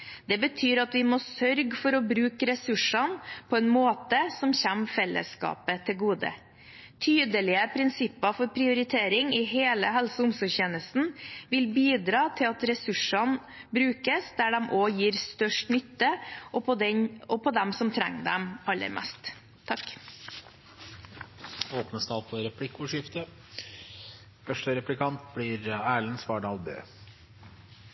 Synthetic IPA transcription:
d̪̥ɛbət̪ʰyːɾɑt̪ʋɪmɔsœɾɡfɔɾɔbɾʉːkəɾɛsʉʂɑnpʰɔɛnmoːt̪əsɔmçæmfɛlːə̰skɑ̰ːpət̪ʰɪlɡuːd̪ə̰ | t̪ʰyːd̪əlɪəpʰɾɪnsɪpːɑfɔɾpʰɾɪʊɾɪt̪ʰeːɾɪŋɪɦeːləɦɛlsəʊmsɔçeːnəsn̩ʋɪlbiːd̪ɾɑːt̪ʰɪlɑt̪ɾɛsʉʂɑn | bɾʉːkəsd̪æɖɛmʔoːjiːɾst̪œʂʈnʏt̪ːəʔɔpʰɔd̪ɛɲɔpʰɔd̪ɛmsɔmt̪ʰɾɛ̰ŋːd̪ɛ̰mɑlːə̰ɾmʔɛ̰st̪ʰː | ɑk | oːpnəst̪ɑːlpʰɔɾɛpʰlɪkːʊʂɪft̪ə | fœʂʈəɾɛplɪkʰɑnt̪blɪɾæːɭənsʋɑːɖɑːlbø̰ː

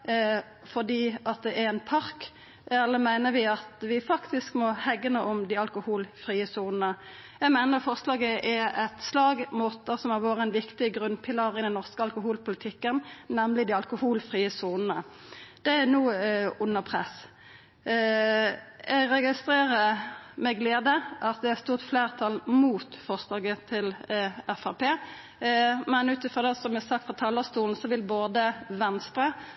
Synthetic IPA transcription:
fɔd̪iːʔɑt̪̚d̪ɛʔæɾɛnpʰɑʁk | ɛlːəmæɪnəɾʋɪɑt̪ʋɪfɑkt̪ɪskmɔhɛɡənəʔɔmd̪iɑlkʊhuːlfʁiːəsuːnnə | jæɪmæɪnəʁfɔʁslɑːɡəʔɛɛt̪slɑːɡmuːt̪əsɔmæʁʋoːɾʁəɛnʋɪkt̪ɪɡʁʉnpʰɪlɑʁɪd̪ɛnɔʁskəɑlkʊɦuːlpʊlɪt̪ʰɪkːənnɛmlɪd̪ɪːɑlkʊhuːlfʁiːəsuːnnə | d̪̥ɛænuːʊnəʁpʰʁɛ̰s | ʔɛɡɾɛɡɪst̪ɾeːʁəmɛɡleːd̪əʔɑt̪̚d̪ɛæst̪uːʁt̪fleːʁt̪ʰɑlmuːt̪fɔʁsd̪ɑːɡət̪ʰɪlɛfæpeː | mɛnʉːt̪əfɔd̪ɛsɔmæsɑkt̪fʁɑt̪ʰɑːləst̪uːln̩sɔʋɪlboːd̪əʋɛnst̪ɾə

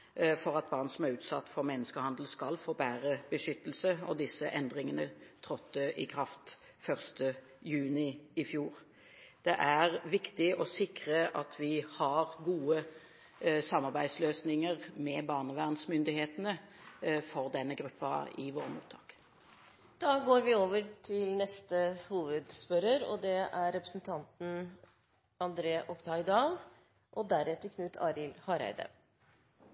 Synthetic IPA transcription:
fɔʁɑt̪̚bɑːʁnən̩sɔmæʁʉːt̪sɑt̪ːfɔʁmɛnːəskəhɑnd̪l̩skɑlfoːbæːʁəb̥əʃʏt̪ːəl̩səɔd̪ɪsəʔɛnd̪ʁɪŋənət̪ʰʁɔt̪ːəʔɪkʰʁɑft̪ | fœʁst̪ə | jʉːnɪɪfjuːʁ | d̪̥ɛʔæʁʋɪkt̪ɪʔɔsɪkʁəʔɑt̪ʰʋɪhɑʁɡuːə | sɑmːɑʁbæɪsløːsnɪŋəʁmɛbɑːʁnəʋæʁnsmʏnd̪ɪheːt̪ənə | fɔʁd̪ɛnːəɡɾʉpːɑ̰ɪʋoːɾəmṵːt̪ʰːɑːk | d̪̥ɑːɡoːɾʋɪoːʋəʈʰɪlnɛst̪əhuːʋəd̪spœɾəɾɔ̰d̪ɛʔæɾɾɛpɾəsn̩t̪ʰɑnt̪n̩ | ɑnd̪ɾeːʔɔkt̪ʰɑɪd̪ɑːl | ʔɔd̪æɾɛt̪əkʰnʉːt̪ʰɑːɾɪlhɑɾæ̰ɪd̪ə̰

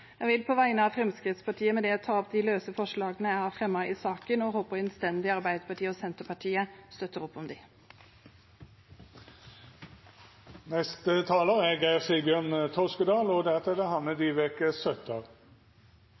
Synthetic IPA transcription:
jæʋɪlpʰɔʋæɪnəɑʋfʁɛmskʁɪt̪spɑʈʰiːəmɛd̪ɛɔt̪ʰɑːɔpːd̪ɪløːsəfɔʂɭɑːɡənəjæɪhɑɾfʁɛmːɑʔɪsɑːkənɔhoːpəɾɛnst̪ɛnd̪ɪɑɾbæɪd̪əpʰɑʈʰiːəɔsɛnt̪əpʰɑʈʰiːəst̪œt̪ːəʁɔpːɔmd̪ɪ | nɛst̪ət̪ʰɑːləʁæɡæɪʁsɪbjøːnt̪ʰɔskəd̪ɑːlɔd̪æt̪ɛd̪ɛhɑnnəd̪iʋɛkəsœt̪ʰɑʁ

